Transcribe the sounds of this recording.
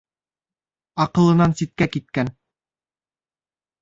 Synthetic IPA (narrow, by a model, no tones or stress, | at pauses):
ɑqɤ̆lˠɤ̆nɑnsit̪̚kækit̪̚kæn